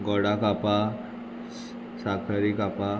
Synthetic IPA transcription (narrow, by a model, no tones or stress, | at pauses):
ɡɔɽakapa | sakʰəɾikapa